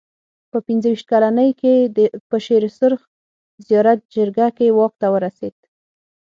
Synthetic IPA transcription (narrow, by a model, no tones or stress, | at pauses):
pəpinzəwiʃt̪̚kalanəjkepəʃeɾsʊɾx | zijɑɾat̪̚d͡ʒəɾɡakewɑk̚t̪awəɾased̪̥